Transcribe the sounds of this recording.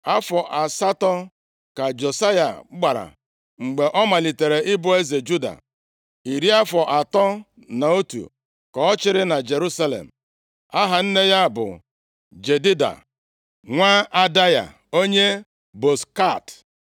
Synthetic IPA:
a˦fɔ˨ʔa˨sa˦tɔ˦ | ka˨d͡ʒo˨sa˦ja̰˨˦ɡ͡ba˨ɾa̰˨ | ŋ͡m̩˨ɡ͡be˨ʔɔ˦ma˨li˨te˨ɾe˨ʔɪ˦bʊ˦e˦ze˨d͡ʒu˦da̰˨ | i˨ɾi˦a˦fɔ˨ʔa˨tɔ˦ | na˨o˦tṵ˨ | kɔ˨ɔ˦t͡ʃɪ˦ɾɪ˦na˨d͡ʒe˨ɾu˦sa˦lḛ˨m̩˨ | a˦ɦa˨n̩˦ne˦ja˦˨bʊ̰˨ | d͡ʒe˨di˦da̰˨ | ŋʷa˦a˦da˦ja̰˨ | o˦ɲe˦ | bo˨ska˦˨t

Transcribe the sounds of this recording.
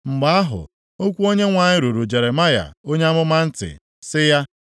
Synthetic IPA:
ŋ͡m̩˨ɡ͡ba˦a˦ɦʊ̰˨ | o˦kʷu˦o˦ɲe˦ŋʷa˨ɲɪ˦ɾu˨ɾu˨d͡ʒe˨ɾe˨ma˦ja̰˨o˦ɲe˦a˦mʊ˦ma˦n̩˦tɪ̰˨ | sɪ˦ja˦

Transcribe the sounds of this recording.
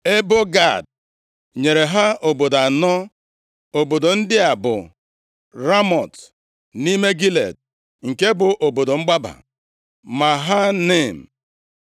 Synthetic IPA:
e˦bo˦ɡa˦˨d̚ | ɲe˨ɾe˨ɦa˦o˨bo˨da˨nɔ˦ | o˨bo˨do˨n̩˦dɪ˦a˨bʊ̰˨ | ɾa˦mɔ˨t | ni˦me˦ɡi˦lḛ˨d̚ | ŋ̩˨ke˦bʊ˨ʔo˨bo˨do˨ŋ͡m̩˦ɡ͡ba˦ba̰˨ | ma˨ɦa˦ne˦˨m̩˨

